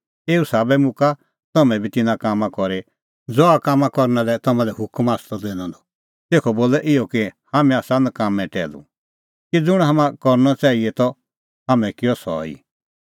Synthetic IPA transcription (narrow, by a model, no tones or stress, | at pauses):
eːusaːbɛmʊka | t̪ɔmɛ̃bit̪ɪnãkamãkɔɾe | d͡zɔakaːmːãkɔɾnãlɛt̪ɔmãlɛɦʊkmaːst̪ɔd̪eːnãd̪ɔ | t̪eːkʰɔboːlɛʔɪjɔkihamɛ̃aːsãnkamɛ̃ʈɛːlṵ | kid͡zʊɽ̃ɦamãkɔɾnɔt͡ʃaːiɛt̪ɔ | ɦamɛ̃kɪjɔsɔ̰ḭ